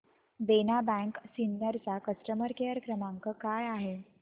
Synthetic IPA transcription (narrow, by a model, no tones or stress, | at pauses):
benabæ̃ŋksinːjəɾt͡sakəsʈəməɾkejəɾkɾəmaŋkəkajaɦe